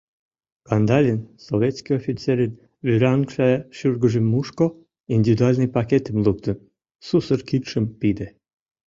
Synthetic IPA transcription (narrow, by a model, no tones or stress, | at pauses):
kɑnd̪ɑlʲinsoβʲet̪skijofʲit͡seɾen | βyɾɑɑŋkʃɑʃyrɡə̆ʒemːuʃko | ind̪ʲivʲid̪ualʲnɨjpɑket̪ə̆mluk̚t̪ə̆n | susərkit̪ʃəmpid̪e